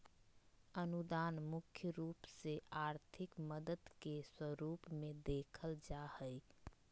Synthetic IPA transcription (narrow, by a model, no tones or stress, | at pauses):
ənud̪aːnmʊkʰjəɾuːpseaːɾt̪ʰɪkməd̪əd̪keswəɾuːpmẽd̪eːkʰəld͡ʒahəj